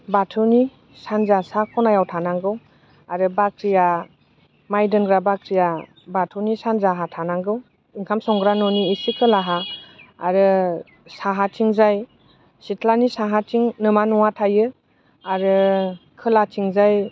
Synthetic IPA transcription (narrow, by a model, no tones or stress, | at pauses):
batʰɯni | sanzasakʰɔnajawtʰanaŋɡɯw | aɾɯbakʰɾija | majdɯnɡɾabakʰɾija | batʰɯwnisanzaɦatʰanaŋɡɯw | iŋkʰamsɔŋɡɾanɔniːsikʰɯlaɦaː | ɾɯ | saɦatʰiŋzaj | sitʰlanisaɦatʰiŋnɯmanɔŋwatʰajɯ | aɾɯkʰɯlatʰiŋzaj